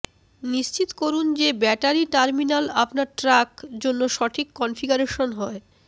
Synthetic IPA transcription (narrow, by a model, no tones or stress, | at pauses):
niʃt͡ɕit̪koɾund͡ʑebɛʈaɾiʈaɾminalapnaɾʈɾakd͡ʑonːoʃɔʈʰikːɔnfiɡaɾeʃonɦɔe